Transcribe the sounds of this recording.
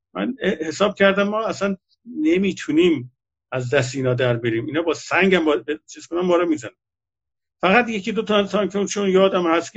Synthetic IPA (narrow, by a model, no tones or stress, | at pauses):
mæ̰nehe̞sɒːb̥̚cʰæɾd̪æmːɒːæsæn | nemiːt̪ʰuniːm | æzd̪æs̬t̪iːnɒːd̪æɾbeɾiːmiːnɒːbɒːsæŋɟæmbɒbet͡ʃʰiːz̥kʰonæmːɒːɾomiːzænæ | fæɣæt̪jecʰiːd̪ot̪ʰɒsɒnkʰeunt͡ʃʰonjɒːd̪æmhæst̪k